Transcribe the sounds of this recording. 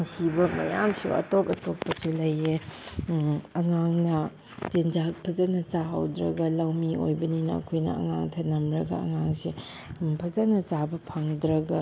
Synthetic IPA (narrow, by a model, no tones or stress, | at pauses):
ŋsibɐmɐ̰jamsṵɐ̰topɐtopːɐsilɐje | ɐŋaŋnɐ | tend͡ʒak̚pʰɐzɐnɐt͡ʃaha̰wdɾɐɡɐlawmio̰jbɐninɐɐ̰kʰojnɐ̰ɐ̰ŋa̰ŋtʰɐnːɐmɾɐɡɐ̰ɐ̰ŋaŋsi | pʰɐzɐnɐt͡ʃabɐpʰaŋdɾɐɡa